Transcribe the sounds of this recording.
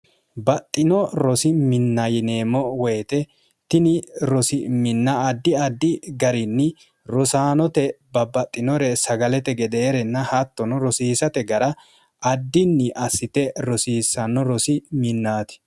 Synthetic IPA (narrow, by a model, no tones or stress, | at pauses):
bɐt̪ʼːɪnɔɾɔsɪmɪnːɐjɪneːmɔwɛjt̪ɛ | t̪ɪnɪɾɔsɪmɪnːɐd̪ːɪɐd̪ːɪɡɐɾɪnːɪ | ɾɔsaːnɔt̪ɛbɐbɐt̪ʼːɪnɔɾɛsɐɡɐlɛt̪ɛɡɛd̪ɛːɾɛnːɐhɐt̪ːɔnɔɾɔsiːsɐt̪ɛɡɐɾɐ | ʔɐd̪ːɪnːɪʔɐsːɪt̪ɛɾɔsiːsɐnːɔɾɔsɪmɪnːaːt̪ɪ̥